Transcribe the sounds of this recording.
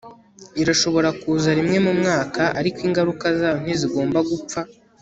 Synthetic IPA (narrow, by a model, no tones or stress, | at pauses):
iɾaʃo̞βo̞ɾakuːzaɾimŋe̞mumŋaːkaʔaɾikwiːŋɡaɾukazaːn̥iziɡo̞ːmbaɡup͡fa